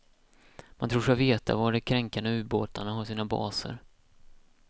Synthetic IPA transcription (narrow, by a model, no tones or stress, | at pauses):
mʔant̪ʰɾuːʂkaveːt̪a̰vaɖɛkʰɾɛŋkand̪əʉ̟ːboːt̪aɳaɦasiːnabɑ̰ːsə̰ɾ